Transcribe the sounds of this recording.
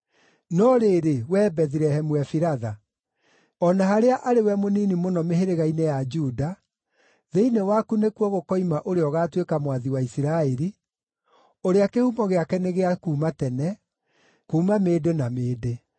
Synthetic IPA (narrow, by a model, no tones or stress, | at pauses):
nɔɾeɾewɛːbɛðiɾɛhɛmuwɛfiɾaða | ɔnaɦaɾeaʔaɾewɛmoniːnimonɔmeɦeɾeɣainejad͡ʒuːda | ðeinewakunekuɔɣokɔimaʔoɾeɔɣaːtwekamwaðiwaisiɾaɛɾi | oɾeakehumɔɣeakɛneɣeakuːmatɛnɛ | kuːmameːdenameːde